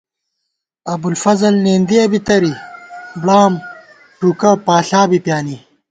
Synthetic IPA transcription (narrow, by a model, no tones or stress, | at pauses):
ɐbulfɐzɐlneːnd̪iɐbit̪ɐɾibɽaːm | ʈuːkɐwpaːɬaːbipjaːni